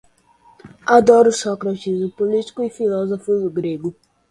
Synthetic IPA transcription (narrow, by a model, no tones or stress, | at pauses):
ad̪ɔɾʊsɔkɾat͡ʃizmʊpoliti̥kʊifilɔzofʊdʊɡɾeɡʊ